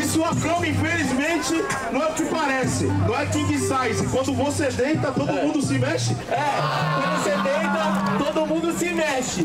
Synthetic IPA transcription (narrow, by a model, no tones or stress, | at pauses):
ɪsuɐkɾɐ̃w̃ĩfelizmẽnt͡ʃɪ | nɐ̃w̃ɛʊkɪpaɾɛsɪ̰nɐ̃w̃ɛkẽkɪsajzẽkwɐ̃nd̪ʊvosed̪ẽnt̪ɐt̪odd̪ʊmũnd̪ʊsɪmɛʃɪɛ̃kwɐ̃nd̪vosed̪ẽt̪ɐt̪od̪ʊʊmũd̪ʊsɪmɛʃɪ